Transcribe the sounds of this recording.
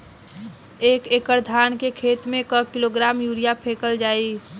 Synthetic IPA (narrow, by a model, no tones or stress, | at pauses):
eːkekəɾd̪ʱaːnkekʰeːt̪mẽkəkɪloɡɾaːmjuːɾijapʰeːkəld͡ʒaːi